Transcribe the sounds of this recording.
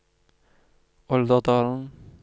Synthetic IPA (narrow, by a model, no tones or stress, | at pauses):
ɔld̪əd̪ɑːln̩